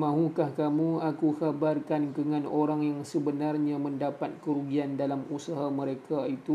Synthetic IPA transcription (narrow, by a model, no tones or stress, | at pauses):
mãɦukahkamũakukabarkankəŋãnoɾaŋjaŋsəbənarɲãmə̃ndapat̪̚kəɾuɡiandalamusaɦamə̃ɾekait̪u